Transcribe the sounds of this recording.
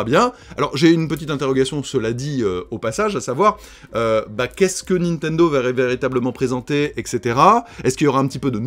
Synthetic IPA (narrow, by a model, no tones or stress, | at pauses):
bjɛ̃alɔʁʒeynpət̪̬it̪ɛ̃t̪eʁɔɡasjɔ̃səlad̪iøopasaʒasavwaʁ | øbakʲɛskənĩnt̪ɛ̃nd̪oveʁɛveʁit̪abləmɑ̃pχezɑ̃t̪eɛkset̪eʁaɛskiljɔʁaɛ̃pət̪ipød̪ən